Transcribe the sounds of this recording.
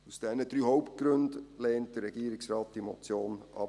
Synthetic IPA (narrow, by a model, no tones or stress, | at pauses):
usd̥ɛnədɾyːhoʊpt̚ɡ̥ɾɵndleːnt̚d̥əɾːɛɡiːɾɪksrɑːt̚d̥imɔt͡sjoːnʔɑ̰